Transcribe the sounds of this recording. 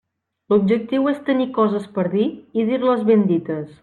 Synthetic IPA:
lub̚d͡ʒək̚t̪iwest̪ənikɔzəspəɾðiiðiɾləzβend̪it̪əs

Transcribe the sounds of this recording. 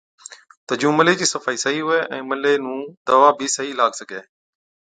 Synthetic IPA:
t̪əd͡ʒũːməleːd͡ʑiːsəfaːiːsəɦiːɦʊeːʔɛ̃ːməleːnũːd̪əʋaːbʱiːsəɦiːlaːɡsəɡʱeː

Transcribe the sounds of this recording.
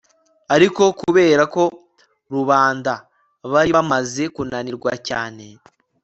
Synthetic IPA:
aɾiko̞kuβe̞ːɾako̞ | ɾuβaːnda | βaɾiβamaze̞kunaniɾɡwacaːne̞

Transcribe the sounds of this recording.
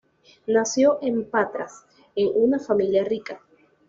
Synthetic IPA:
nasjo̞ʔe̞mpat̪ɾas | eŋunafamiljarika

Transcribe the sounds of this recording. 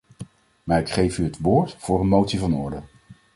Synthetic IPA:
maːɹɪkχejfyɦətʋʊːɹtfʊːɾənmowtsivɑnɔɹdə

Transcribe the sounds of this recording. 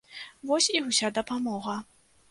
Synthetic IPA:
vɔsʲiusʲad̪ɐpamɔɣɐ

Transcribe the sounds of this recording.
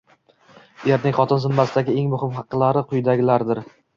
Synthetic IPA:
je̞ɾnɪŋχɒt̪ʰɪnzɪmːasɪd̪aɡʲɪeŋmʊhɪmχɑqːɨlˠaɾɪqʰʊjd̪aɡʲɪlaɾd̪ɪɾ

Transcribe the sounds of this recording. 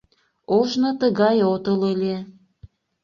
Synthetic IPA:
oʒnot̪əɣɑjot̪ələlʲe

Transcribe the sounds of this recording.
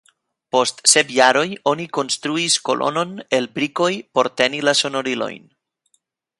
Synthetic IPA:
po̞st̪sepjaɾo̞jo̞niko̞nst̪ɾuisko̞̰lʔo̰no̞nelbɾiko̞jpo̞ɾt̪enilaso̞no̞ɾilo̰jn

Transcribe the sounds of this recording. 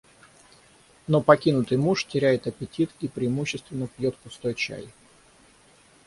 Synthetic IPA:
no̞pɐkʲinʊt̪ɨjmuʂtʲɪɾʲæjɪt̪əpʲɪtʲit̪ipɾʲɪːmuɕːɪst̪vʲɪnːəpjot̪pʊst̪o̞jt͡ɕæ̰j

